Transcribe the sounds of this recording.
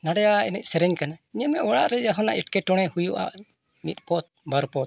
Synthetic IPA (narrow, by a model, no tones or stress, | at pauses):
naɽɛjainɛc̪̚ˀsɛɾɛɲkanaiɲɛmɛʔwaɽa̰ʔɾɛd͡ʒaɦɔna̰ʔɛʈ̚kɛʈɔɽ̃ɛhujuʔa̰ʔ | mit̪̚ˀpɔt̪̚baɾpɔt̪̚